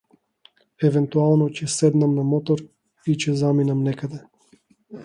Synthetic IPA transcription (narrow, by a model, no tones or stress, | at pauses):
ɛvɛnt̪ualˠnɔcɛsɛd̪namnamɔt̪ɔɾ | it͡ʃɛzaminamnɛkad̪ɛ